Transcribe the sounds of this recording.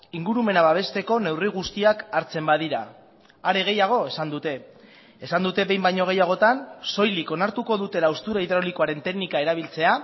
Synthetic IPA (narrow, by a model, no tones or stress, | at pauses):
iŋɡuɾume̞naβaβ̞e̞st̪e̞ko̞ne̞wriɣ̞ust̪iakaɾt͡se̞mbaðiɾa | aɾe̞ɣ̞e̞jaɣ̞o̞e̞sand̪ut̪e̞ː | sand̪ut̪e̞βe̞jmbajɲo̞ɣ̞e̞jaɣ̞o̞t̪anso̞jliko̞naɾt̪uko̞ðut̪e̞laust̪uɾaiðɾoliko̞aɾe̞nt̪e̞ɡnikae̞ɾaβ̞ilt͡se̞a